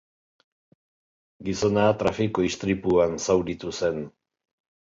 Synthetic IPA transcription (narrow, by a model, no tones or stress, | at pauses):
ɡiso̞naːt̪ɾafikoist̪ɾipuansawɾit̪use̞n